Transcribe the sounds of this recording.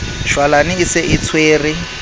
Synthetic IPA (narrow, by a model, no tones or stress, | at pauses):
ʃwalanɪːsɪʔit͡sʰweːri